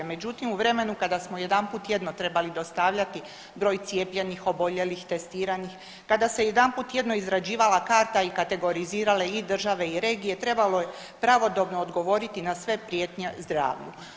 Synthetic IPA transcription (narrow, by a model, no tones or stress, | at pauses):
me̞d͡ʑut̪imuʋɾe̞me̞nukad̪asmoje̞d̪ampuːt̪je̞d̪not̪ɾe̞balid̪o̞st̪aʋʎat̪i | bɾo̞ːjt̪sijepʎenixo̞bo̞ʎe̞lixt̪e̞st̪iːɾanix | kad̪ase̞jed̪anput̪je̞d̪no̞izɾad͡ʑiːʋalakaːɾt̪aikat̪e̞ɡo̞ɾiziːɾale̞id̪r̩ʒaʋe̞iɾe̞ːɡije̞t̪ɾe̞balo̞je̞ | pɾaʋo̞d̪o̞bnoːd̪ɡo̞ʋo̞ɾit̪inasʋe̞pɾjet̪ɲezd̪ɾa̰ːʋʎu